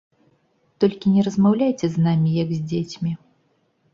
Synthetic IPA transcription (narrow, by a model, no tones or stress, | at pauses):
t̪ɔlʲkʲinʲɛɾɐzmawlʲajt͡sʲɛznamʲijaɡzʲd͡zʲet͡sʲmʲi